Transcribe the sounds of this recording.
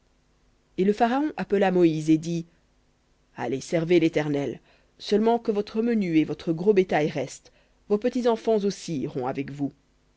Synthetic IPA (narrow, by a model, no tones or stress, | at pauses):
eləfaʁaɔ̃ʔapəlamɔized̪i | a̰lesɛʁvelet̪ɛʁnɛl | sœlmɑ̃kəvɔt̪χəmənyevɔt̪χəɡʁobet̪ajʁɛst̪ | vopət̪izɑ̃fɑ̃zosiʁɔ̃avɛkvu